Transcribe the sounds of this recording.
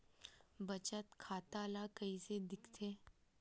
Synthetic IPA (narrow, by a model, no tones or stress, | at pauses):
bɐt͡ʃət̪kʰaːt̪alakɐised̪ɪkʰt̪ʰeː